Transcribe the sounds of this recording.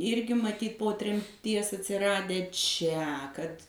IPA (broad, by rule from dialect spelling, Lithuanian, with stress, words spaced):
ˈɪrʲɡʲɪ mɐˈtʲiːt poː tʲrʲɛmʲˈtʲiɛs ɐtʲsʲɪˈrɑːdʲæː ˈt͡ʃʲɛ kɐt